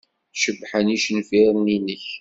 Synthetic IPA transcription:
ʃəbħəniʃnfiɾˤninəç

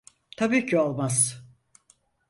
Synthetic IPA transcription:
t̪ʰabiːcʰiolˠmaz̥

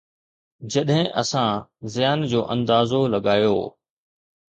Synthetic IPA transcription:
d͡ʑɐɗɦɪ̃ʔɐsãzɪjaːnd͡ʑoːʔɐ̃nd̪aːzolɐɠaːjo̰ː

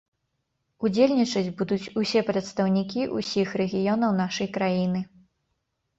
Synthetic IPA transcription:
ud͡zʲelʲnʲit͡ʂɐd͡zʲbud̪ut͡sʲusʲɛpɾɐt̪st̪ɐwnʲikʲiʔusʲixɾɛɣʲijɔnɐwnaʂɐjkɾajinɨ

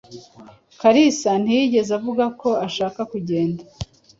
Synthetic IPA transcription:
kaɾisan̥ijiɟe̞zavuɡakʰo̞aʃaːkakuɟe̞ːnda

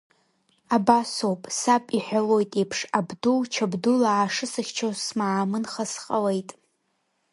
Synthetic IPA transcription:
abasowpʼsapʼiħʷᶣalo̞jtʼejpʰʂabdult͡ʃʰabdulaːʂɨsɨχʲt͡ʃʰosmaʕamɨnχasqʼale̞jtʼ

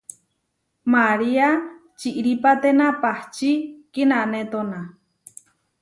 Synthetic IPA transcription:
maɾia | t͡ʃiʔɾipat̪enapaht͡ʃikinãnet̪ona

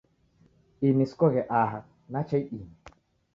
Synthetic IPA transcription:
iniskɔɣɛʔaɦak̚ | nat͡ʃajini

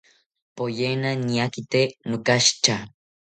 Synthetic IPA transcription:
pojenaniakit̪enʊkaʃt͡ʃa

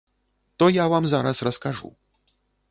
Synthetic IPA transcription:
t̪ɔjavamzaɾɐsrɐskaʐṵ

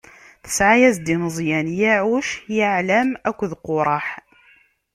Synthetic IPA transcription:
θə̥sʕajæzd̪inəzˤjænjaʕuʃjaʕlæmækʷːðqoɾˤɑħ

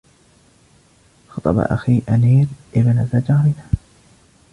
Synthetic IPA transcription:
xɑt̪ˤɑ̰ba̰ʔa̰xiːʔaniːɾʔɪbɪnazad͡ʒamɪna

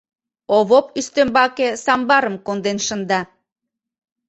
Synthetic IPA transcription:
oβopyst̪ømbɑkesɑmbɑɾəmkond̪enʃə̆nd̪ɑ

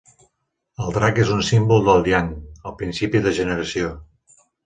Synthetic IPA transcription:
əlˠd̪ɾakezunsimbulˠd̪əlˠd̪ianəlˠpɾinsipiðəʒənəɾəsio

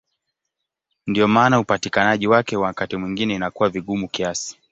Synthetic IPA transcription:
ndiɔmaːnaupatikanaʄiwakɛwakatimwiŋɡinɛinakuwaviɠumukiasi̥

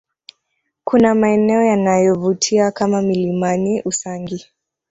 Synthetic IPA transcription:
kunamaɛnɛɔjanajɔvutʰiakamamilimaniʔusaŋɡi

